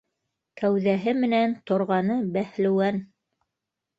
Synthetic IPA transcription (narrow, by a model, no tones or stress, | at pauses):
kæwðæɦɘmɘ̆nænt̪ŏɾʁɑnɤbæhlɘ̆wæn